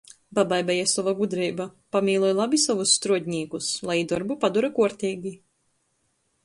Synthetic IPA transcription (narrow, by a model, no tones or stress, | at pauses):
babajbɛjasɔvaɡud̪ɾiːbapamiːlˠuɔjlˠabisavusːt̪ɾuɔd̪ʲɲiːkuslˠajid̪ɔɾbupad̪uɾakuɔɾt̪ʲiːɡʲi